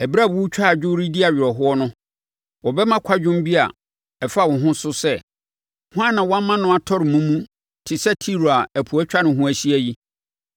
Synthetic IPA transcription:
ɛ˨bɾa˦˨bwʊ˦t͡ɕᶣʰa˦a˨d͡ʑᶣʊ˦ɾi˦di˦a˨ɥɪ˨ɾɔ˨ɦʊ˦ɔ˦nʊ̃˦ | wɔ˨bɛ˦mã˦kʷʰa˦d͡ʑᶣʊ̃˦m˦bi˦a̰˨ | ɛ˨fa˦˨wɔ̃˨ɦʊ̃˦sʊ˦sɛ˦ | hʊ̃˦ã˦nːã˨wɔ̃˦mã˦nʊ̃˦a˨tʰɔ˦ɾɪ˨mũ˦mũ˦ | tʰɪ˨sɛ˦tʰi˦ɾo˨a˨æ˨pʰu˨æ˦t͡ɕᶣa˦nʊ̃˨ɦũ˦æ˨ɕi˦æ˦ji˦

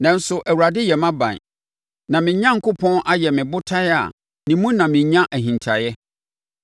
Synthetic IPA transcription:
nã˨n̩˦sʊ˨ʔæ˨wu˨ɾa˨dɪ˦jɛ˨mã˦bã̰˨n | nã˨mɪ̃˨ɲã˦ŋ̩˨kʰʊ˦pʰɔ̃˦nʔa˦jɛ˨mɪ̃˨bʊ˦tʰa˦ja̰˨ | nĩ˨mũ˦nã˨mɪ̃˨ɲã˦ʔæ˨ɦĩ˨ntʰa˨jɛ˦

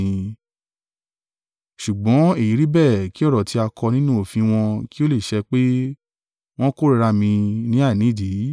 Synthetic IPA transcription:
ĩ˧ | ʃu˨ɡ͡bɔ̃˨˦e˦˨ji˨˦ɾi˦bɛ˦˨ki˦ɔ˦˨ɾɔ˨ti˧˦a˧kʰɔ˧nĩ˦nũ˦o˦˨fĩ˧w̃ɔ̃˧ki˦o˦le˦˨ʃɛ˧k͡pe˦ | w̃ɔ̃˦ko˦ɾi˧ɾa˧mĩ˧nĩ˦a˦˨nĩ˨˦˨di˨˦

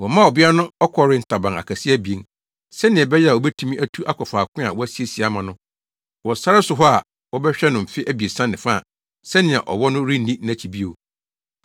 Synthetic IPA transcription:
wɔ˨mã˦˨ɔ˨bɪ˦a˦nʊ̃˦ɔ˦kʰɔ˦ɾɪ˦n̩˨tʰa˨bã˨ŋa̰˨kʰa˨si˦æ˦bi˨ẽ˨ŋ | sɛ˦nɪ̃˨ɛ˨bɛ˦jɛ˦a˨ɔ˨bɛ˦tʰu˦mĩ˦ʔæ˦tʰu˦ʔa˦kʰɔ˨faː˨kʰʊ̃˦a˨wɔ˦æ˦si˦e˦si˨a˦mã˨nʊ̃˦ | wɔ˨sa˦ɾɪ˦sʊ˨ɦɔ˦a˨ | wɔ˦bɛ˦ɕᶣɛ˦nʊ̃˨m̩˨fɪ˦ʔæ˦bi˨e˨sã˦nɪ̃˨fa˦˨ | sɛ˦nɪ̃˨a̰˨ʔɔ̰˨wɔ˦nʊ̃˦ɾi˦nĩ˦n˦æ̃˨t͡ɕʰi˨bi˦o˨

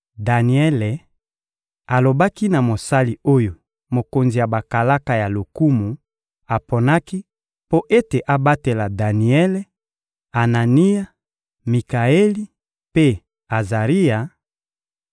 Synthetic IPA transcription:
da˨ni˨ɛ˦le˨ | a˨lo˨ba˦ki˦na˨mo˨sa˦li˨o˦jo˨ | mo˨ko˨nzi˨ja˨ba˨ka˨la˦ka˨ja˨lo˨ku˦mu˨ | a˨po˨na˦ki˦ | po˦ʔe˦te˨ʔa˨ba˦te˨la˨da˨ni˨ɛ˦le˦ | a˨na˨ni˦ja˦ | mi˨ka˨e˦li˦ | pe˦ | a˨za˨ʁi˦ja˨

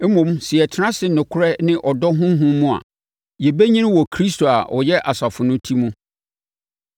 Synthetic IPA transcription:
mũ˨m˦sɪ˨ɛ˨tʰɪ˦nã˦sɪ˨nʊ̃˨kʰʊ˦ɾɛ˦nɪ̃˦ʔɔ˨dɔ˦ɦʊ̃˦ɦʊ̃˦mːũ˦a̰˨ | jɛ˨be˦ɲĩ˦ñ˦wɔ˨kʰɾi˦s̬tʰo˨a̰˨ʔɔ˨jɛ˦ʔa˨sa˨fʊ˨nʊ̃˦tʰi˦mũ˦

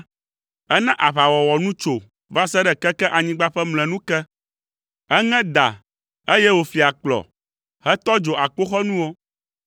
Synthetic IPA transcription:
ɛ˦nɛ̃˦ʔa˨βa˨wɔ˨wɔ˨nũ˦t͡ʃo˨ | va˦sɛ˦ɖɛ˨kɛ˦kɛ˦ʔa˨ɲĩ˦ɡ͡ba˦ɸɛ˦mlɛ̃˨nũ˦kɛ˦ | ɛ˦ŋɛ̃˦d̪a̰˨ | e˦jɛ˦wo˨fi˨a˨k͡plɔ̰˨ | hɛ˦t̪ɔ˦d͡ʒo˨ʔa˨k͡po˦xɔ˦nũ˦wo˦

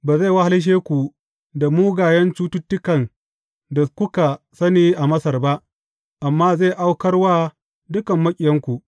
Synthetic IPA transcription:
baː˨za˦˨wa˦ha˦lɪ˦ʃ̬eː˦kʷu˨ | da˨muː˦ɡaː˨jɛ˦nt͡ʃuː˦tʊ˦tːʊ˦kɐ˨n | da˨kʷʊ˦ka˨ | sɐ˦niː˦ʔa˨mɐ˦sɐ˨rba˦ʔ | ʔa˨mːaː˦zeː˦˨ʔa˦wkɐ˦rwaː˦ | dʊ˦kɐ˨mːɐ˦kʲʼɪ˨jɐ˦ŋkʷu˨ʔ

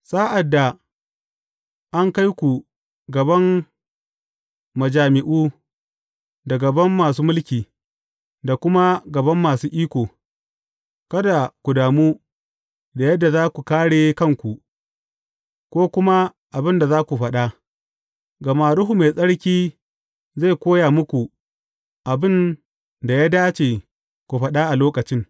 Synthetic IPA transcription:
saː˦ʔa˨dːa˨ | ʔa˦ŋka˦jkʷu˨ | ɡɐ˨bɐ˦m | mɐ˨d͡ʒaː˨mɪ˨ʔuː˦ | da˨ɡɐ˨bɐ˦mːaː˨s̬uː˦mʊ˦lkʲiː˨ | da˨kʷʊ˦ma˦ɡɐ˨bɐ˦mːaː˨suː˦ʔiː˦kʷoː˨ | kɐ˦da˨kʷu˨daː˨mu˦ | da˨jɐ˦dːa˨zaː˦kʷu˨kaː˦ɽeː˨kɐ˦˨ŋkʷu˨ | kʷoː˦kʷʊ˦ma˦ | ʔa˨bɪ˦nda˨zaː˦kʷu˨ɸɐ˦ɗa˦ | ɡɐ˨maː˨ɾʊ˦ɦu˨ma˨jsʼɐ˦ɽkʲiː˦ | za˦˨jkʷoː˦jaː˨mʊ˦kʷu˨ | ʔa˨bɪ˦n | da˨jaː˦daː˦t͡ʃeː˨ | kʷu˨ɸɐ˦ɗa˦ʔa˨loː˦kɐ˨t͡ʃɪ˦ŋ

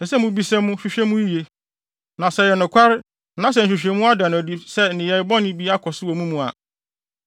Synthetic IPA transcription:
sɛ˨sɛ˦mʊ̃˨bi˦sɛ̃˦mʊ̃˦ɕᶣi˦ɕᶣɛ˦mũ˦i˦je˨ | nã˨sɛ˨jɛ˨nʊ̃˨kʷʰa˦ɾ | nã˦s̬ɛ˨n̩˨ɕᶣi˨ɕᶣe˨mũ˦a˦dã˨ñ˨di˨sɛ˦nɪ̃˨jɛ˨ɪ˨bɔ̃˦nɪ̃˦bi˦a˦kʰɔ˨sɪ˦wɔ˨mũ˦mũ˨a̰˨

